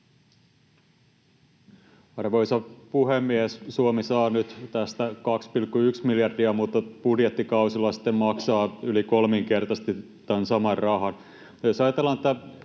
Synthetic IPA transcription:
ɑrʋojsɑpuhemːiessuomisɑːnyt̪t̪æst̪ækɑkspilkːuyksmiljɑrdiɑmut̪ːɑpudjet̪ːikɑusilːɑsi̥t̪ːemmɑksɑːylikolmiŋke̞rt̪ɑse̥t̪i | ænsɑmɑrrɑɦɑn | josɑjɑt̪elːɑnet̪ːæ

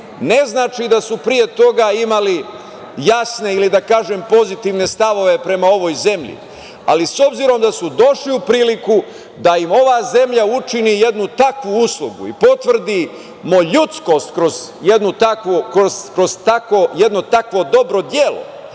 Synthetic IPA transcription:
ne̞znaːt͡ʃid̪asupɾije̞t̪o̞ɡaimali | jasne̞ilid̪akaːʒempo̞zit̪iʋne̞st̪aʋo̞ʋe̞pɾe̞mao̞ʋo̞ːjze̞mʎḭ | a̰liso̞bziɾo̞md̪asud̪o̞ʃliupɾiːliku | d̪aimo̞ʋaːze̞mʎaut͡ʃinije̞d̪nut̪akʋuuslˠuɡṵḭpo̞t̪ʋr̩d̪i | moʎut̪sko̞st̪kɾozjed̪nut̪akʋukɾozkɾo̞zt̪akoje̞d̪no̞t̪akʋo̞d̪o̞bɾo̞d̪jelo̞̰

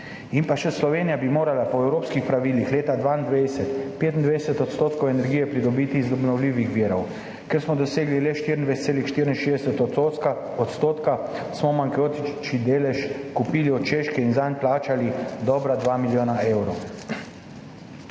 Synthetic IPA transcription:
inpaʃɛslɔʋeːnijabimoːɾalapɔɛwɾoːpskixpɾaʋiːlixleːt̪ad̪ʋaind̪ʋejsɛt̪peːt̪nd̪ʋɛjɛsɛt̪ɔt̪st̪oːt̪kɔwɛnɛɾɡijɛpɾid̪ɔbiːt̪iːzd̪ɔbnɔwliːʋixʋiːɾɔw | kɛɾsmɔd̪ɔseːɡlilɛʃt̪iɾind̪ʋɛst̪seːlixʃt̪iɾinʃeːzd̪ɛsɛt̪ɔt̪oka | ɔt̪st̪oːt̪kasmɔmaŋkoːt̪it͡ʃid̪eːlɛʃkupiːliɔt̪t͡ʃeʃkɛinzanplaːt͡ʃalid̪ɔbɾad̪ʋamiljoːnaewɾow

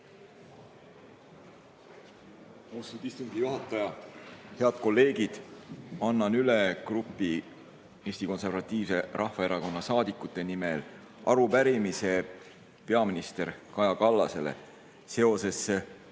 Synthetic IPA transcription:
ost̪ut̪ist̪uŋɡ̥ijuɦɑt̪ːˑɑjɑhe̞ɑd̪̥̚ko̞lːe̞ːɡ̥id̪̥ɑnːɑnylekrupːˑi | eːsʲt̪iko̞nse̞rvɑt̪ˑːiːvse̞ɾʔɑhvɑe̞ɾɑko̞nːɑsɑːd̪ikːˑut̪ːˑe̞nimel | ʔɑɾupæɾimise̞ | pe̞ɑminist̪e̞ɾkɑjɑkɑlːɑse̞lḛ | se̞o̞se̞se

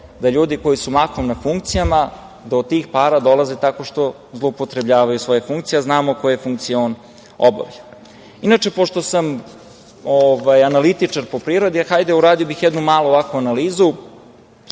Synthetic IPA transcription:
d̪aʎuːd̪iko̞jisumakomnafuŋkt̪sijama | d̪oːd̪̚t̪iːxpaːɾad̪o̞lazet̪ako̞ʂt̪o̞ | zlˠoupot̪ɾe̞bʎaːʋajusʋo̞jefuŋkt̪sijeaznaːmokojefuŋkt̪sioːn | o̰ba̰ʋʎa | inat͡ʂe̞po̞ʃt̪o̞sam | ovajanalit̪it͡ʂaɾpo̞pɾivɾo̞d̪ixajd̪euɾaːd̪ijobixjed̪numaːlˠoːʋakʋuanaliːzu

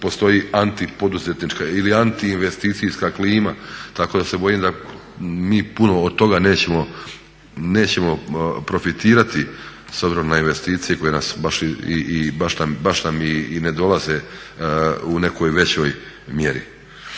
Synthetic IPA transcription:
po̞st̪o̞jiant̪ipo̞d̪uze̞t̪nit͡ʃkailiant̪iːnʋe̞st̪iːt̪sijskakliːmat̪akod̪ase̞bo̞jimd̪a | miːpuno̞ːd̪̚t̪o̞ɡane̞ːt͡ɕe̞mo̞ | ne̞ːt͡ɕe̞mo̞pɾo̞fit̪iːɾat̪i | so̞bziɾo̞mnainʋe̞st̪iːt̪sijeko̞je̞nasbaʃiiibaʃnambaʃnamiːne̞d̪o̞lˠaze̞ | une̞ko̞jʋe̞t͡ɕo̞j | mje̞ɾḭ

